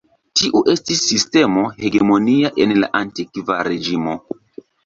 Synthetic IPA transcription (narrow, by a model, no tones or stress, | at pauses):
tiʔuʔe̞stisːiste̞mo̞he̞ɡe̞mo̞niaʔe̞nla̰ʔantikvaɾe̞d͡ʒimo̞